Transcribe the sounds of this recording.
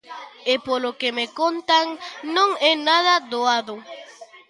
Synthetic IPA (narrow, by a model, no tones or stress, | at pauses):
epolokemekont̪aŋnõŋɛnaðad̪oaðo